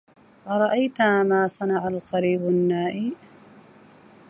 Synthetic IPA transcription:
ʔɑɾˤɑʔajt̪aːmaːsˤɑnɑʕalqɑɾiːbanːaːʔi

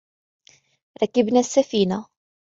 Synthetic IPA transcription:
ɾækːibnæsːæfina

